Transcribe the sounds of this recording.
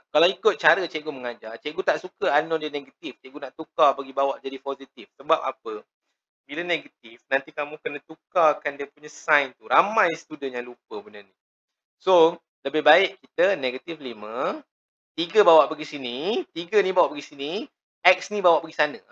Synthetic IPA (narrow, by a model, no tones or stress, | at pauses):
kalawikʊt̪̚t͡ʃaɾət͡ʃɛʔ̚ɡuməŋad͡ʒart͡ʃɛʔɡut̪aʔsukəanɔdiəneɡat̪ift͡ʃɛʔɡunaʔt̪ukabaɡibawaʔd͡ʒadipozit̪ifsəbap̚a̰p̚ə | bilaneɡat̪̚ifnãnt̪ikamũkənət̪ukakandiəpuɲasãjnt̪uɾamãjsə̥t̪udənjãŋlup̚əbənani | so | ləbɪhbaɪʔkit̪əneɡat̪iflimə | t̪iɡəbawaʔbaɡisinit̪iɡənibawaʔbaɡisini | ɛk̚snibawaʔbaɡisanə̃